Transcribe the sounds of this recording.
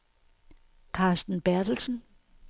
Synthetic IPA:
kʰɑ̈ːsd̥n̩b̥æɐd̥l̩sən̩

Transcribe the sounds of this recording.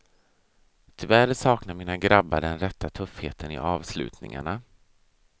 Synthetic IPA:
t̪ʰʏvæɾsɑːknaɾmiːnaɡɾabːaɖɛnɾɛt̪ːat̪ʰɵfheːt̪ʰənɪ̰ʔɑːvslʉ̟ːt̪nɪ̰ŋa̰ɳa

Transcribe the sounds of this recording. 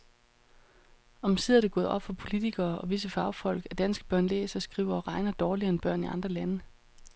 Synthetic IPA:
ɒ̽msið̰ˠɐd̥e̝ɡ̥ɔ̽ːð̞̩ˠʔɒ̽b̥fɒ̽pʰo̝lit͡sʰiɡ̥ɐːɒ̽ʋis̬əfɑ̈ʊfɒ̽l̰ɡ̥æd̥ænsɡ̥əb̥ɶɐ̰nlḛːsɒ̽sɡ̥ʁḭːʊɐɒʁɑ̈ɪnɐd̥ɒːliɐenb̥ɶɐ̰niɑ̈nd̥ʁɐlænə

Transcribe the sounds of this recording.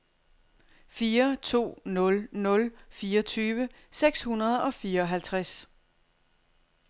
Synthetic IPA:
fiːɐt͡sʰo̝̰ːnɔ̽lnɔ̽lfiːɐt͡sʰyːʋə | seɡ̥shunɐð̞ˠɒ̽fiːɐɒ̽ɦælt͡sʰʁas

